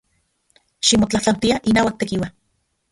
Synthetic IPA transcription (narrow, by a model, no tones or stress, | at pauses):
ʃimot͡ɬaht͡ɬawt̪iaʔinaːwak̚t̪ekiwa